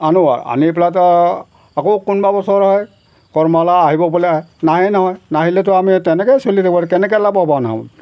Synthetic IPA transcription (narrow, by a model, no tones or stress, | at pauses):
anua̰a̰niplatɔ | akowkunbabɔsɔɹɦɔj | kɔɹmalaaɦibɔbɔlɛanaɦɛjnɔɦɔjnaɦilɛt̬ɔamitɛnɛkɛjsolitʰakɔɾɛkɛnɛk̬ɛlabɔbanaɦa̰n